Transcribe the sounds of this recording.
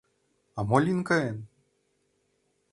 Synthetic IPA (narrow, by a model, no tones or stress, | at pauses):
amɔlʲinkɐɛn